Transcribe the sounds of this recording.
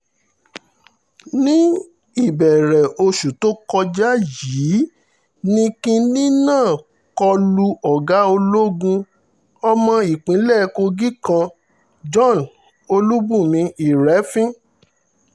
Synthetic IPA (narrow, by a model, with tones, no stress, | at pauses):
nĩ˦ | i˦˨bɛ˨ɾɛ˨o˧ʃu˨to˦kɔ˧d͡ʒa˦jiː˨˦ | nĩ˦kĩ˧nĩ˦nãː˦˨ | kɔ˧lu˧ɔ˨ɡa˨˦o˧lo˦ɡũ˧ | ɔ˧mɔ̃˧i˨k͡pĩ˨˦lɛ˦˨˧ko˧ɡi˦kã˧ | d͡ʒɔ̃˦˨n | o˧lu˦bũ˦˨mĩ˧i˨ɾɛ˨˦fĩ˦